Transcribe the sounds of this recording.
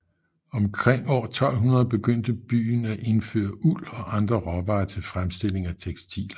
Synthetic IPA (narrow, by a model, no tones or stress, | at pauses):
ɒ̽mkʰʁeŋ̰ɒ̰ːt͡sʰɒ̽l̰ɦunɐð̞ˠb̥e̝ɡ̥øn̰d̥əb̥y̰ːn̩æʔe̝nfø̰ːɐʔulɒ̽ʔɑ̈nd̥ʁɐʁɒ̽ʋɑ̈ːt͡sʰe̝lfʁamsd̥e̝le̝ŋæt͡sʰeɡ̥sd̥ʰḭːlɐ